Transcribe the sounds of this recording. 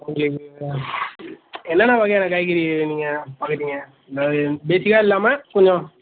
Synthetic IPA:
ʊŋɡɐɭɯkːɯ | ɛnːɐnaʋɐɣɐjɛnɐkːaːjkːɪɾiniːŋɡɐpaːkɯʈ̪ːiːŋɡɐ | d̪aːðɯbeːsɪkaːɪlːaːmɐkʊɲd͡ʒõ

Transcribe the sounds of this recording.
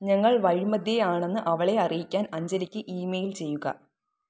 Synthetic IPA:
ɲɐŋːɐɭʋɐɻimɐd̪ʱjɐjaːɳe̞nːɨʔɐʋɐɭe̞ɐrijikʲːaːnɐɲd͡ʑɐlikʲːɨʔiːmejilt͡ɕe̞jːuɣɐ̰

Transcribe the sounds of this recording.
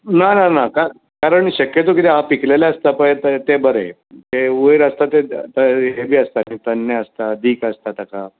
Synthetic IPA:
nananaka | kaɾəɳɕəkjət̪okit̪eɦapiklelaəst̪apət̪ət̪ebəɾe | t̪eojɾəst̪at̪et̪ɦebʱiːəst̪anit̪ənːəəst̪ad̪iːkəst̪at̪aka

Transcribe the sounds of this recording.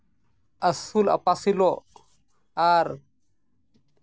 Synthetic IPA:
ʔasula̰pasilɔ | aɾ

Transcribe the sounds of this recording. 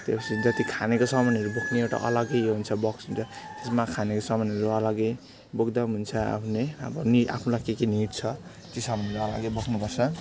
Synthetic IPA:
t̪epʌsʰid͡zʌt̪ikʰanekosʌmʌnɦʌɾubokʰneewʈa̰ʔʌlʌɡʌjɦunt͡sʰʌbʌksɦunt͡sʰʌt̪esmakʰanekosʌmʌnʌɾuʌlʌɡʌj | bokd̪aɦunt͡sʰʌa̰pʰuneabʌniʔa̰pʰnũlakekiniit̪̚t͡sʰʌ | t̪isʌmʌnʌɾuʌlʌɡʌjbʌkʰnupʌrt͡sʰʌ

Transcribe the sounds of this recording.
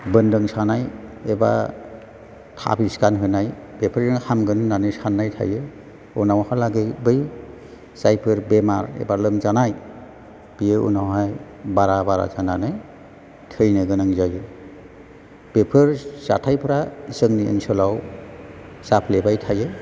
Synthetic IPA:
bɯndɯŋsanajeba̰ | tʰa̰biskanɦɯnajbepʰəɾɯŋhamɡɯnɯnːanɯsanːajtʰa̰jɯ | ɔnawhalaɡɯjbɯj | sajpʰɯɾbemaɾḛbalɯmzanaj | b̥ijeṵnawɦaj | baɾabaɾa̰zananɯj | tʰɯjnɯɡɯnɯŋzajɯ | b̥epʰɯɾz̥atʰajpʰɯɾaisɯŋniḭnsɔlaw | sapʰlebajtʰajɯ

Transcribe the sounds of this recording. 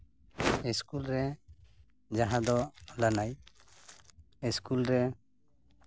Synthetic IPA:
iskulɾɛ | d͡ʒaɦãd̪ɔlanaj | iskulɾɛ

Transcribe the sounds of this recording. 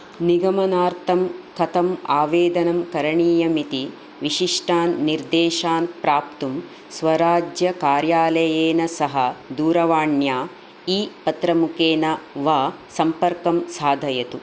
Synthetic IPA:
niɡɐmɐnaːɾt̪ʰɐmkɐt̪ɐmaːʋeːd̪ɐnɐmkɐɾɐɳiːjɐmit̪i | ʋiʃiʂʈaːnːiɾd̪eːʃaːnpɾaːpt̪um | sʋɐɾaːd͡ʒjɐkaːɾjaːlɐjeːnɐsɐɦɐ̆d̪uːɾɐʋaːɳjaː | iːpɐt̪ɾɐmukeːnɐʋaːsɐmpɐɾkɐmsaːd̪ʱɐjɐt̪u

